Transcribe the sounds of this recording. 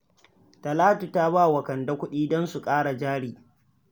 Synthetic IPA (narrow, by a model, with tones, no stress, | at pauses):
tɐ˨laː˦tu˨ta˦βa˦˨wɐ˨kɐ˨nda˦kʷʊ˦ɗiː˦dɔ˦nsu˨kʼaː˦ɽa˨d͡ʒaː˦ɽiː˨